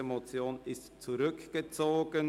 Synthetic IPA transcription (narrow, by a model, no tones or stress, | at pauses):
emot͡sjoːnɪstt͡suʁʏkɡ̥ət͡soːɡ̥ən